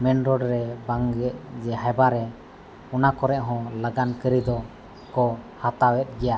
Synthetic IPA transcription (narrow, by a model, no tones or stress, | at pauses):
mɛnɾɔɖɾɛbaŋɡɛʔ̚d͡ʒɛɦabaɾɛ | ɔnakɔɾɛʔɦɔ̃ləɡankəɾid̪ɔ | kɔhat̪awɛt̪̚ˀɡɛja